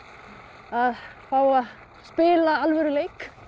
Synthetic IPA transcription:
aðfaːwa | spɪːlaalvɛɾʏleːjk

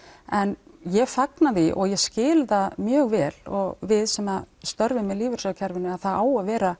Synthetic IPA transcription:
ɛnjɛfaknaðɪʔɔɣjɛscɪːlðamjœːɣvɛːlɔɣvɪðsɛmast̪œɾvɪmɛðliːvʏɾ̥sœwcʰaɾvɪnʏaðθaðaːwaðvɛːɾa

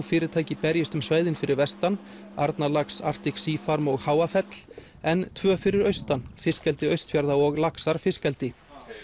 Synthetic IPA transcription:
fɪːɾɪɾt̪ʰaːjcɪpɛɾjɪst̪ʏmsvaːjðɪnfɪɾɪɾvɛst̪an | aɾt̪nalaksa̰r̥t̪ɪksiːfaɾmɔɣhaːwafɛt̪l̥ | ɛnt̪ʰvœːfɪɾɪɾœɥst̪anfɪskɛlt̪ɪœɥst̪fjaɾðaɔɣlaksaɾ̥fɪskɛlt̪ɪ

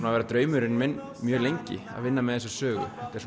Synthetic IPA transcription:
navɛːɾat̪ɾœːɥmʏɾɪnmɪn | mjœːlejɲcɪ̰a̰ðvɪnːamɛðθɛs̬ːḁsœːɣʏ̰θɛht̪ɛɾs

